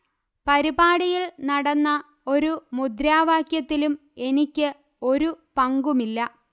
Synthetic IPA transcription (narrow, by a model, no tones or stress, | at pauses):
pɐɾibaːɽijilnɐɽɐnːɐ | o̞ɾumud̪ɾaːʋaːkjɐt̪ːilum | e̞nikʲːɨ | o̞ɾupɐŋɡumilːɐ